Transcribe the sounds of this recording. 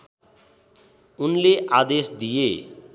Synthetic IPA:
unleʔad̪esd̪ije

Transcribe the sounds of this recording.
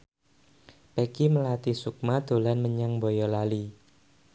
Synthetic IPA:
pekiməlat̪isuk̚mad̪̥o̤lanməɲaŋbojɔlali

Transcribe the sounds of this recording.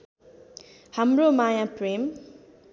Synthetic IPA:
hamɾomajãpɾem

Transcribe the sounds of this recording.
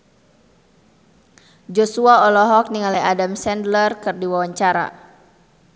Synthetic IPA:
d͡ʒɔsuaɔlɔɦɔk̚niŋaliadamsɛndlərkɨrdiwawaɲt͡ʃaɾa̰

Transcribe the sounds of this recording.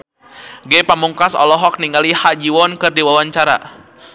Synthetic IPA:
ɡɛpamuŋkasɔ̰lɔɦɔk̚niŋɡalihad͡ʒiwɔnkɨrdiwawaɲt͡ʃaɾa̰

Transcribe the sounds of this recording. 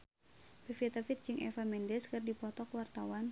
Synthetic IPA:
pɛfiɛt̪afit̪̚d͡ʒɨŋʔɛ̰famɛndɛskɨrdipɔt̪ɔkwart̪awan

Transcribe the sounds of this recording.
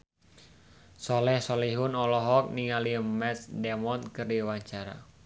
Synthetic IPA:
sɔlɛhsɔlɛɦunɔlɔɦɔk̚niŋalimɛsdɛmɔt̪̚kɨrdiwaɲt͡ʃaɾa̰

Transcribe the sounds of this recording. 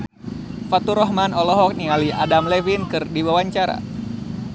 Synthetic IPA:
fat̪uɾɔɦmanɔlɔɦɔk̚nialiʔadamlɛvinkɨrdiwawaɲt͡ʃaɾa̰

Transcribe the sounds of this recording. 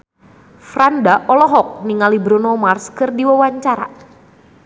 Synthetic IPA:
frandaʔɔlɔɦɔk̚niŋalibɾonɔmarskɨrdiwawaɲt͡ʃaɾa̰

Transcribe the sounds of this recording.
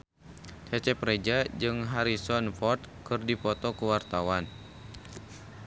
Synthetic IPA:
t͡ʃat͡ʃɛpɾed͡ʒad͡ʒɨŋɦaɾisɔnfɔrt̪̚kɨrdipɔt̪ɔkəwart̪awan

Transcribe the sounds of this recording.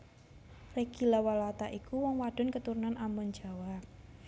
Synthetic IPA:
reɡ̥ilawalat̪aʔikuwɔŋwaɖ̥ʊ̤nkət̪uɾunanʔamɔn̥d͡ʒa̤wa

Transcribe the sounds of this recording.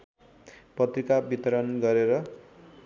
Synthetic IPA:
pʌt̪rikabit̪ʌɾʌnɡʌɾeɾʌ

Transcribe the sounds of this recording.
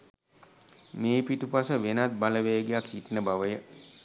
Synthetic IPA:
meːpiʈupasəʋenat̪̚baləʋeːɡejaksiʈnəbaʋəjə

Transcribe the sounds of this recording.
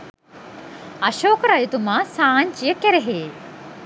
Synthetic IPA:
ɐɕoːkɾajut̪umasaːɲt͡ʃijəkːeɾeɦeː

